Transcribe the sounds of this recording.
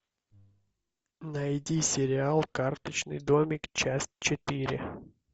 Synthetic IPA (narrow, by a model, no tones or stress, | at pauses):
nɐjdʲisʲeɾʲɪalˠkart̪ɪt͡ʃnɨ̰jd̪ɔmʲikt͡ʃasʲtʲt͡ʃet̪ɪɾʲɪ